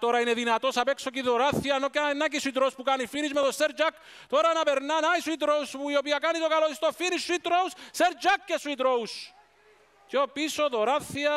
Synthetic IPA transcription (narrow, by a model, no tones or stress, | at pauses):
t̪o̞ɾɐine̞ðinɐt̪o̞sɐpe̞ksociðo̞ɾaθiɐnoknac̬isuit̪ɾouspukanifinizmeðoseɾd͡ʒak | t̪o̞ɾɐnɐpe̞ɾnanaisuit̪ɾouspuio̞piɐkanit̪okaloist̪ofinisːuit̪ɾousseɾd͡ʒakcesuit̪ɾous | ceopisoðo̞ɾaθːiɐ